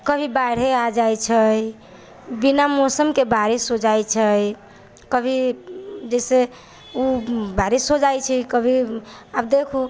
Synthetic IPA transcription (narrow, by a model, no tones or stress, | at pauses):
kəbʱibaɽ̤ead͡ʒajt͡ʃʰəj | binamosəmkebaɾisod͡ʒajt͡ʃʰəj | kəbʱid͡ʒɛse | ubaɾisod͡ʒajt͡ʃʰikəbʱi | abd̪ekʰu